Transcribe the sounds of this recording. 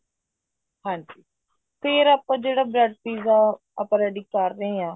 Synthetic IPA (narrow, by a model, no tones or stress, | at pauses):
hãːd͡ʒiː | pʰɪɾaːpãːd͡ʒeːɽaːbɾɛɖ̚piːzaː | apãːɾɛːɖɪkkəɾd̪ẽãː